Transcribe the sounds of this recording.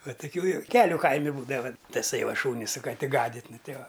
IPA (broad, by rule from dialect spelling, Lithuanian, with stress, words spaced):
ˈʋɐ tʊˈkʲuː joːˈkʲæːlʲʊ ˈkɐɪmʲɪ ˈbuːdɐʋɐ tɐˈsɐɪ ˈʋɐ ˈʃuːnʲɪ sʊ kɐˈtʲɪ ˈɡɑːdʲɪtʲ ˈnʊ ˈtʲɛɪ ˈʋɐ